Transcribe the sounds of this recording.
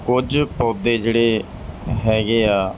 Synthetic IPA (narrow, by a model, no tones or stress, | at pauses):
kʊd͡ʒpɔːd̪eːd͡ʒeːɽeː | ɦɛːɡeːaː